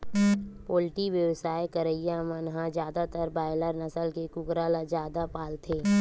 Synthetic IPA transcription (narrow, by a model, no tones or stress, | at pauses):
poːlɪʈiʋjəwsaːjkəɾəijamənɦãd͡ʒjaːd̪at̪əɾbaːɪləɾnɐsəlkekʊkɾalad͡ʒjaːd̪apaːlt̪ʰeː